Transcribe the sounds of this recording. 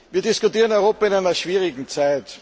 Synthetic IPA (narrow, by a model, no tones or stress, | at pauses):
viːɐdɪskʊtiːʁənɔʏʁoːpɐɪnaɪnɐʃv̥iːʁɪɡŋ̩t͡saɪt